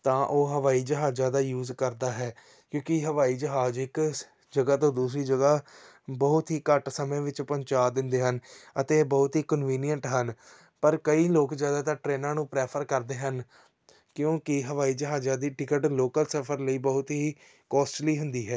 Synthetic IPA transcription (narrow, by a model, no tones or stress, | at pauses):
t̪ãːʔoːɦəʋaːiːd͡ʒəɦaːd͡ʒaːd̪aːjuːzkəɾd̪aːɦɛː | kjõːkɪɦəʋaːiːd͡ʒəɦaːd͡ʒɪk | d͡ʒəɡaːt̪õːd̪uːsɾiːd͡ʒəɡaː | bəɦʊt̪ɦiːkəʈsəmẽːʋɪt͡ʃpəɲt͡ʃaːd̪ɪ̃nd̪eːɦənət̪eːbəɦʊt̪ɦiːkənʋiːnɪjəɳʈɦən | pəɾkəiːloːkzjaːd̪aːt̪ãːʈɾeːnãːnũːpɾɛːpʰəɾkəɾd̪eːɦən | kjõːkɪɦəʋaːiːd͡ʒəɦaːd͡ʒaːd̪iːʈɪkəʈloːkəlsəpʰəɾləiːbəɦʊt̪ɦiː | kɔːsʈliːɦʊnd̪iːɦɛː